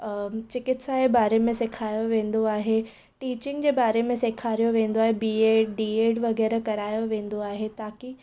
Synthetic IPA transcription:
t͡ɕɪkɪʈsaebaːɾemẽsekʰaːjoʋẽːnd̪oaːɦe | ʈiːt͡ɕɪ̃ŋɡd͡ʑeːbaːɾemẽsekʰaːɾijoʋẽːnd̪oaːɦebiːeɖiːeːɖʋɐɣɛːɾekɐɾaːjoʋẽːnd̪oaːɦet̪aːki

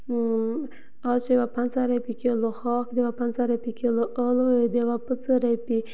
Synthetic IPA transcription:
ɑt͡ʃewapant͡saɾapikeloxɑkd̪ewapant͡saɾapikeloʔəloed̪ewapət͡səɾajpi

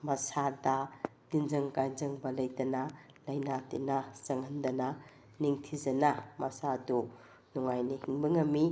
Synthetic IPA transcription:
mɐsadɐd̥inzɐŋkajnzɐŋbɐlɐjdɐnɐ | lɐjnatḭnazɐŋhɐndɐnɐ | niŋtʰizɐnamɐsadu | nuŋajnihiŋbiŋɐmi

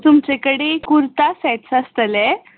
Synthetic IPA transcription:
t̪umt͡ɕekəɽekuɾt̪asɛt͡səst̪əlɛ

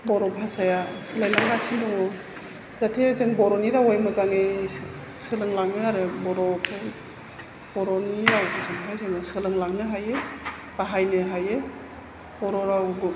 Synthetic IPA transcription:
bɔɾɔbʱasajasɯlajlaŋlasʰindɔŋɔ | z̥atʰezɯŋbɔɾɔniɾawajmɔzaŋe | sɯlɯŋlaŋnɯaɾɯbɔɾɔkʰɯ | b̥ɔɾɔniɾawɡɯzaŋɦajzɯnɯsɯlɯŋlaŋnɯɦaje | baɦajnɯɦaje | bɔɾɔɾawɡɯ

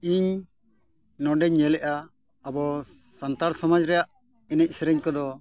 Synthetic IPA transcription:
iɲ | nɔɖɛɲːɛlɛʔaː | bɔ | sant̪aɾsɔmad͡ʒɾɛjaʔ | ɛnɛc̚ˀsɾɛɲkɔd̪ɔ

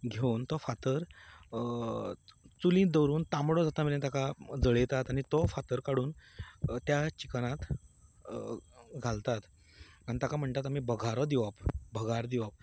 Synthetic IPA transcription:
ɡʱewnt̪ɔfat̪əɾ | t͡sulĩːd̪əwɾuːnt̪amɽɔd͡zat̪amilẽt̪akad͡zəɭet̪at̪aɽ̃it̪ɔfat̪əɾkaɽuːnt̪jat͡ɕikañat̪ | ɡʱalt̪at̪ | anit̪akam̤əɳt̪at̪amibəɡʱaɾɔd̪iʋapbʱəɡʱaɾd̪iʋap̚

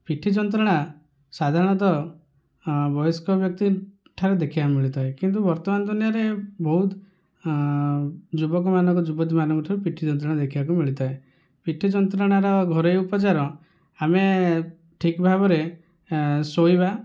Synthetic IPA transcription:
piʈʰid͡ʒɔnt̪̬ɾɔɽ̃a | sad̪ʱaɾɔɽ̃ɔt̪̬ɔ | bɔjɔskɔbjɔk̚t̪i | ʈʰaɾed̪ekʰibamiɭit̪aekint̪̬ubɔɾt̪ɔmand̪ʱunijaɾebɔɦut̪ | d͡ʒubɔk̬ɔmanɔŋkɔd͡ʒubɔt̪̬imanɔŋkɔʈʰaɾepiʈʰid͡ʒɔnt̪ɾɔɽad̪ekʰibakumiɭit̪ae | piʈʰid͡ʒɔnt̪ɾɔɽ̃aɾɔɡʱɔɾejupɔt͡ʃaɾɔ | ame | ʈʰikbʱabɔɾe | soiba

